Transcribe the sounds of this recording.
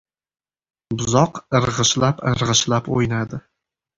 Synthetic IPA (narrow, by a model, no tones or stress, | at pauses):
bʊzɒqɨɾʁɨʃlapɨɾʁɨʃlapo̰jnad̪ɪ